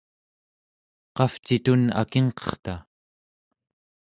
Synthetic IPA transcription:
qɑft͡ʃit̪una̰kiɴqʌ̥χt̪a

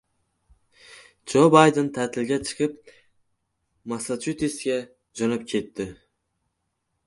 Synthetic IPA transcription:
d͡ʒobajd̪ent̪ʰæt̪ʰɪlɡʲɛt͡ʃʰɨ̥qʰɯp | masat͡ʃut̪isɡʲɛ | d͡ʒonɑp̚kʲʰe̞t̪ːɪ

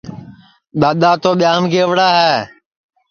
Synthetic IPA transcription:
ɗ̪aːd̪aːt̪oːɓɪjaːmkeːəʋɽaːɦɛː

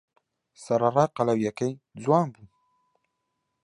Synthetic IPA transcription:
saɾaɾajqalawjakajd͡zwɑːnbu

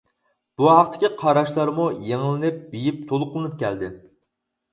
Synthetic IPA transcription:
b̥uɦɑq̚t̪ʰɪ̥kʲiqʰɑɾɑʃlˠɑɾmujeŋlˠɨnɪp̚bijip̚t̪ʰolˠʊqʰəlˠɨnɨp̚kʲʰɛld̪ɪ

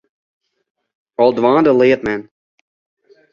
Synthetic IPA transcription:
ɔlˠd̪ʋãːnd̪əlˠeːət̪̚mɛn

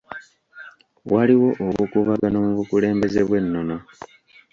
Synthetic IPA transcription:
wʔaliwo̞ʔoβukuβaɡanomuβukule̞ːmbe̞ze̞βwe̞nːono̞

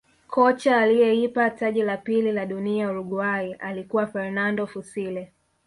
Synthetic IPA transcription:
kʰɔt͡ʃaːlijɛipataʄilapililaɗuniauɾuɡwaiʔalikuwafɛɾnandɔfusilɛ

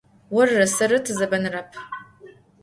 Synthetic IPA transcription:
wʊrːasaɾɨtʰɨzabanrapʰ

